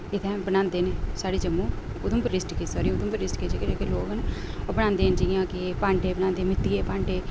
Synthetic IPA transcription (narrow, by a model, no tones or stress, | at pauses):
ɪt̪ʰɛ̃ːbənãːnd̪eːneːsaːɽiːd͡ʒəmːũː | ʊd̪ʊ̃mpəɾɪsʈkiːsaːɾĩʊd̪ũmpəɾɪsʈked͡ʒeked͡ʒekeloːɡn | oːbəñãːnd̪eːnd͡ʒijãːkɪpãːɳɖeːbəñãːnd̪eːmɪt̪ːiːeːpãːɳɖeː